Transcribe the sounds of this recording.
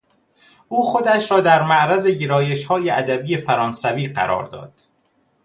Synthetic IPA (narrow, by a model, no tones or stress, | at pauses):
ʔuːxo̞d̪æʃɾɒːd̪æɾmæʔɾæzeɟeɾɒːje̞ʃhɒːjeæd̪æbiːjefæɾɒːnsæviːɢæ̰ɾʔɒ̰ːɾd̪ɒ̰ːd̪̥